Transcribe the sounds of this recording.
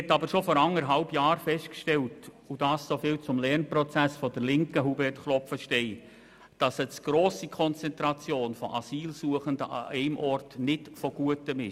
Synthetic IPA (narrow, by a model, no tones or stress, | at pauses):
ɛtːɑbəɾʃofɔɾɑŋəɾɦɑlbjɑːɾfɛʃt̚kʃtɛlt | ud̥ɑssofɪːlt͡sʊmlɛɾnprɔt͡sæsfɔdəɾlɪŋkəɦubɛtχlɔpfəʃtɛɪ | d̥ɑsət͡sɡ̥ɾoːsikʰɔnt͡sɛntɾɑt͡sjoːnfɔʔɑ̰siːlsuəχəndəʔɑ̰ɛɪmʔɔrtnɪtfɔɡ̥uətəmɪ